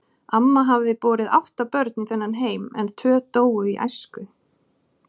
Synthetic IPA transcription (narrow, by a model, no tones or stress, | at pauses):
amːaɦavðɪpɔːɾɪða̰wht̪apœɾt̪niθɛnːanɦeːjmɛ̰nt̪ʰœːt̪oːwʏiʔa̰jskʏ